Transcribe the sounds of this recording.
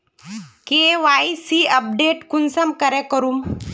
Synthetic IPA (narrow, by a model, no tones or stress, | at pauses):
keʋajsiəp̚ɖeʈkunsəmkəɾɛkəɾuːm